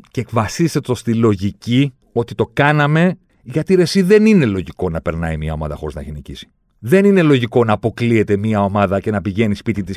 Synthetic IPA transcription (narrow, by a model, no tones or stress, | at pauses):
ceːkvɐsiset̪o̞st̪ilo̞ʝici | o̞t̪it̪o̞kɐnɐme̞ | ʝɐt̪iɾe̞siðe̞nine̞lo̞ʝiko̞nɐpe̞ɾnɐimiɐo̞mɐ̰ðɐ̰xo̞ɾiznɐ̰çinicisi̥ | ðe̞nine̞lo̞ʝiko̞nɐːpo̞klie̞t̪e̞miɐo̞mɐðɐce̞nɐpiʝe̞nispit̪it̪is